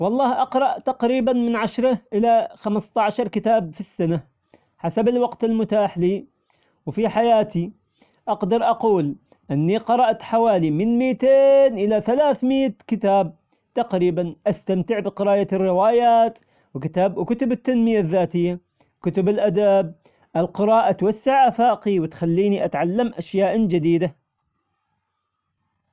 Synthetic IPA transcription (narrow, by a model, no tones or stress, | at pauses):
wɑlˤːɑːhʔɑqɾˤɑʔt̪ɑqɾiːbanmɪnʕaʃɾˤɑʔɪlaxamst̪aʕaʃɑɾˤkɪt̪aːbfisːana | ħasabɪlwɑqt̪ɪlmʊt̪aːħliː | wfiħajaːt̪i | ʔɑqd̪ɑɾˤʔɑquːl | ʔɪnːiqɑɾˤɑʔt̪ħawaːlimɪnmiːt̪eːnʔɪlaθalaːθmɪjːat̪kɪt̪aːb̚ | t̪ɑqɾiːbanʔast̪amt̪ɪʕbɪqɪɾaːjarːɪwaːjaːt̪ | wɪkɪt̪aːbwkʊt̪ʊbɪt̪ːanmɪjaðːaːt̪ɪjːa | kʊt̪ʊbɪlʔad̪ab̚ | ʔɪlqɪɾɑːʔat̪wasːɪʕafaːqiwɪt̪xalːiːniʔat̪ʕalːamʔaʃjaːʔd͡ʒɪd̪iːd̪a